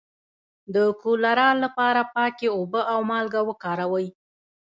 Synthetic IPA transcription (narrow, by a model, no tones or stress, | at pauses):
d̪əkulaɾɑlːapɑɾapɑkeobəʔawmɑlɡawəkɑɾawəj